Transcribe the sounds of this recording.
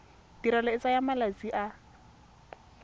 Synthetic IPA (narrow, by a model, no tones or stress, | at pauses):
d̥iɾalɔɪt͡sajamalat͡siʔa